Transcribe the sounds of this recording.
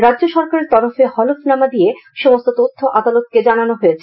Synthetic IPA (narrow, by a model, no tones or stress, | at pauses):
ɾadːʑoʃɔɾkaɾeɾt̪ɔɾofehɔlofnamad̪ieʃomost̪ot̪ot̪ʰːoʔad̪alot̪ked͡ʑananoɦoet͡ɕʰe